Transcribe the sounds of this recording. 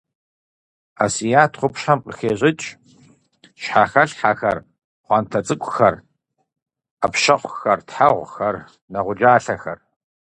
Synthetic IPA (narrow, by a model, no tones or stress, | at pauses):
asijaːtʰχʷʊpɕħamqəxeːɕʼɪt͡ʃʼ | ɕħaːxɐɬħaxɐ̰r | χʷɑːntʰɐt͡sʼɨkʷʼʊxɐr | ɐpʃɐχʷxɐrtħaʁʷxɐr | nɐʁʷʊd͡ʒaːɬɐxɐr